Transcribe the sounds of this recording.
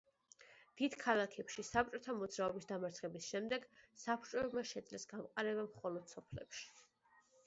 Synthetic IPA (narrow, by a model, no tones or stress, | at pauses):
d̪̥id̪̥kʰalˠakʰɛpʃisap̚t͡ʃʼɔt̪ʰamɔd̪zɾaɔbisd̪amaɾt̪sʰχɛbisʃɛmd̪ɛɡsapʰt͡ʃʼɔɛbmaʃɛd̪zlɛsɡamqʼaɾɛβamχɔlɔd̪̥sɔpʰlɛ̰pʃi̥